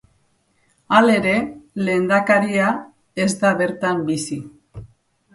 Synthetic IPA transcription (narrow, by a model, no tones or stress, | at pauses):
ale̞ɾe̞le̞ːnd̪akaɾia | e̞zd̪aβe̞ɾt̪ambisi